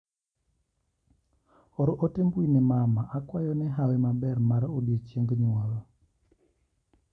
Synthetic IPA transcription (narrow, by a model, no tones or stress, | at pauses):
ɔɾɔʔotembuinɛmamaʔakwajɔnɛɦawemabɛɾmaɾodet͡ʃjeŋɡɲwɔlɔ